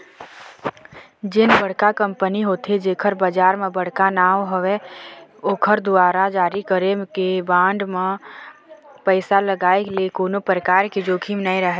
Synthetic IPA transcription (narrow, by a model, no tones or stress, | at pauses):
d͡ʒɪnbəɽ̤kakə̃mpəniɦoːt̪ʰed͡ʒeːkʰəɾbəd͡ʒaːɾmẽbəɽ̤kanaːɦoʋe | oːkʰəɾd̪ʊaːɾad͡ʒaːɾikəɾekebãːɳɖmẽ | pəɪsaləɡaːekeliekoːnopɾəkaːɾked͡ʒoːkʰimnaĩɾəɦɛ